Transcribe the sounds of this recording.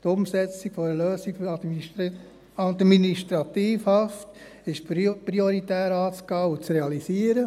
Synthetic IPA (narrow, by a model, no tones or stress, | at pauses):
t̪ʊmsɛt͡siɡ̥fɔɾəløːsiɡɑdm | ɑdminiʃtɾɑt̪iːfhɑft | ɪʃpɾioɾitæːɾɑːt͡sɡɑːut͡sɾeɑlisiːəɾə